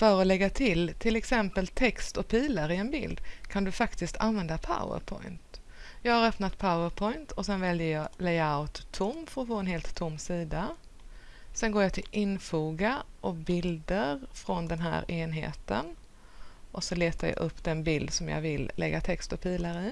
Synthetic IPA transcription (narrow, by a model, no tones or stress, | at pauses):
fœɾɔlɛɡːat̪ʰɪlt̪ʰɪlɛksɛmpəlt̪ʰɛkst̪ɔk̚pʰiːlaɾɪɛnbɪ̰ld̪kʰand̪ɵfakt̪ɪst̪ʰa̰nvɛnd̪apʰa̰ʊə̰ɾpʰɔ̰jnt̪ | jɑːɡhaɾœpnat̪pʰaʊəɾpʰɔɪnt̪ʰɔsɛnvɛljəɾjɑlɛɪaʊt̪ʰːʊmːfœɾɔfoːɛnheːlt̪ʰːʊmːsiːd̪a | sɛnɡoːjɑt̪ʰɪlʔɪnfuːɡaʔɔbɪld̪əɾfɾɔnd̪ɛnɦæ̰ːɾeːnɦḛːt̪ə̰n | ʔɔsɔleːt̪aɾja̰ʔɵpːd̪ɛnbɪld̪sɔmjɑ̰vɪllːʔɛ̰ɡːat̪ʰɛkst̪ɔpʰiːlaɾɪ